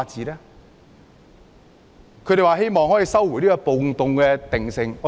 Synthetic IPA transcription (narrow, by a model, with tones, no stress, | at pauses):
t͡siː˨lɛː˥ | kʰɵ˨˧ɾe˨jwaː˨˧ɦe˥jmɔː˨ŋhɔː˨˥ji˨sɐ˥wːu˨˩jniː˥kɔ˧po˨ŋt̪ʊ˨ŋkɛː˧t̪ɪ˨ŋsɪ˨ŋɔ˨˧˥